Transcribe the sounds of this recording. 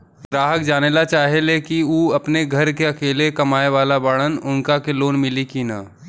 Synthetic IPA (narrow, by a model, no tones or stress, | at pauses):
ɡɾaːɦək̚d͡ʒaːnelat͡ʃaːɦeleːkiuːɐpneɡʱɐɾkeɐkeːlekɐmaːeʋaːlabaɽənʊnkakeloːnmɪlikinaː